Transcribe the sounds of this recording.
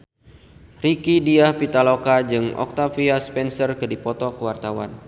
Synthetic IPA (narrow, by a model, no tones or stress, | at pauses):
rikidiahpit̪alokad͡ʒɨŋɔ̰k̚t̪afiaspɛnsərkɨdipɔt̪ɔkəwart̪awa̰n